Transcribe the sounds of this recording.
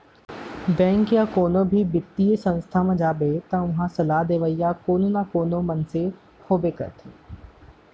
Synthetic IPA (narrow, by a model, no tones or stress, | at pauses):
bɛ̃ːŋkjakoːnõbʱibɪt̪ːijesə̃nst̪ʰamãd͡ʒaːbet̪ɐ̃ʋɐɦãsɐlaːɦd̪eːʋəijakoːnonakoːnõmɐnse | hoːbekɐ̰ɾt̪ʰeː